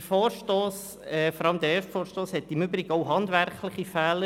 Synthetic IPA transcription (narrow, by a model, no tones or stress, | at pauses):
əfɔːɾʃtoːs | ɛfɔɾɑləmd̪ɛɾɛːɾʃtfɔːɾʃtoːshɛt̪ɪmʏbɾɪɡoʊɦɑnd̪vɛɾklɪχifɛːlə